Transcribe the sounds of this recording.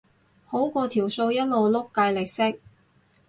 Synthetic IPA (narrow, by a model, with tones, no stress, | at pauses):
ho˨˥wkɔː˧t̪ʰiː˨˩wso˧wjɐ˥t̚lo˨wlʊ˥kːaː˧jlɪ˨˩k̚sɪ˥k̚